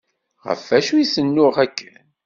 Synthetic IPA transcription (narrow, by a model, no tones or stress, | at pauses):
ʁə̰fːæʃuisənːʊʁækːən